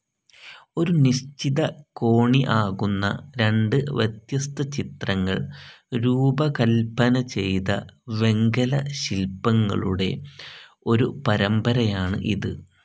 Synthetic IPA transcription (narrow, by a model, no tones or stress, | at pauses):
o̞ɾuniɕt͡ɕiðɐko̞ːɳiʔaːɣunːɐ̰ɾe̞ɳɖɨʋɐt̪jɐst̪ɐt͡ɕit̪rɐŋːɐ̰ɭɾuːbɐkɐlpːɐnɐt͡ɕe̞jt̪ɐ̰ʋe̞ŋɡɐlɐɕilpːɐŋːɐ̰ɭuɽe̞̰ | o̞ɾupɐɾɐmbɐɾɐjaːɳɨ̰ʔiðɨ